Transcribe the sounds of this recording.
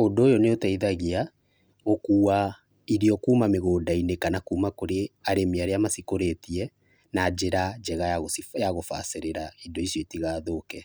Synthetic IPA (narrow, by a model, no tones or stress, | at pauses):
ondːjɔneotaiðaɣia | ɣokuːa | iɾiɔkuːmameɣoːdainekanakuːmakoɾeaɾemiaɾeamasikoɾetiɛ | nad͡ʒeɾad͡ʒɛɣajaɣosijaɣofa̰seɾeɾaidoisjɔitiɣaːðoːkɛ